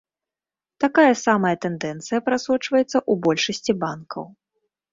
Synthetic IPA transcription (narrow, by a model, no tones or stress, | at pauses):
t̪akajɐsamɐjɐt̪ɛnd̪ɛnt̪sɨjɐpɾasɔt͡ʂvɐjɛt̪sːɐʔubɔlʲʂɐsʲt͡sʲibankɐ̰w